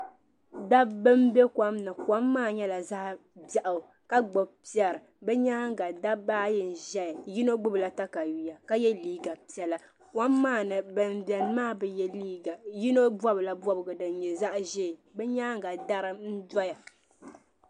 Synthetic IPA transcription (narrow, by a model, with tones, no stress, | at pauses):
da˦bːɨ˦mbe˦ka˦mnɨ˨kwa˦mːaː˦˨ɲɛ˦la˨za˦ʔba˨ʔa˨ | ka˦ɡ͡bo˨pi˦ɛ˨ɾɨ˨ | bɛ˦ɲa˦ŋ˦˨ɡa˨da˦baː˦jɛ˨n̩˨ʒɛ˦jji˦no˦ɡ͡bɨ˦bɨ˨la˦ta˦ka˨ji˨ja˨ka˦jɛ˦liː˦ɡa˨pi˦ɛ˨la˨ | kwa˦mːaː˦˨nɨ˨bɨ˨mbɛ˨n˦maː˦˨bɨ˨jɛ˦liː˦ɡa˨ji˦no˦bɔ˦bɨ˨la˦bɔ˦bɨ˨ɡɨ˨dɨ˨n˨ɲɛ˨za˦ʔʒe˦˨bɛ˦ɲa˦ŋ˨ɡa˨da˦ɾɨ˦n̩˦dɔ˦ja˨